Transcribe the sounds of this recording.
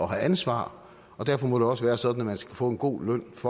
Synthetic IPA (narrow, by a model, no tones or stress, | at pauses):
ɒ̽ɦæʔænsʋɑ̰̈ː | ɒ̽d̥æɐfɒmɒɾ̥e̝ɒ̽səʋæːɐsɒ̽d̥n̩æmænsɡ̥æ̥fɔ̰̽ːe̝nɡ̥o̝̰ːlœn̰fɒ̽